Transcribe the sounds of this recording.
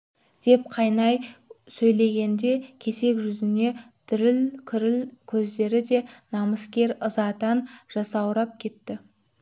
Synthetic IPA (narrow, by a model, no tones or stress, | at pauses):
d̪̥e̞p̚qʰɑjnɑjsɵjle̞ɡʲe̞nd̪e̞kʲʰe̞se̞kʲʒʏzɪne̞t̪ʰʏɾɪlkʲʰɪɾɪlkʲʰɵzd̪e̞ɾɪd̪e̞nɑməskʲe̞ɾəzɑt̪ɑnʒ̥ɑsɑwɾɑp̚kʲʰe̞t̪ːɪ